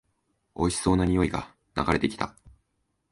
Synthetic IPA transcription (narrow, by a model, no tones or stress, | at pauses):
o̞ɕi̥so̞ːnaɲ̟ijo̞iɡa̰ | na̰ɡaɾe̞t̪e̞kʲi̥t̪a̰